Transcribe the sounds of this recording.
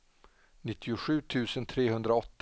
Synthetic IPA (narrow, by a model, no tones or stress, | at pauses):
nɪt̪ːɪʊɧʉ̟ːt̪ʰʉ̟ːsənt̪ʰɾeːɦɵnd̪ɾaɔt̪ː